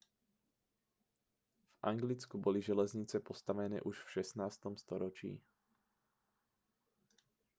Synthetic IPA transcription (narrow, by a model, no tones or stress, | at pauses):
v̥ʔa̰ŋɡlit͡skubɔliʒɛlɛzɲit͡sɛpɔst̪aʋɛnɛ̰ːʔuʃfʃɛsnaːst̪ɔmst̪ɔɾɔt͡ʃḭː